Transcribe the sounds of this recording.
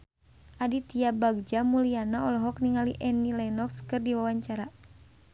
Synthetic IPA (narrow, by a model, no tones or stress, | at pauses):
ʔadit̪iabaɡ̚d͡ʒamulianaɔlɔɦɔkniŋaliʔɛnilɛnɔkskɨrdiwawaɲt͡ʃaɾa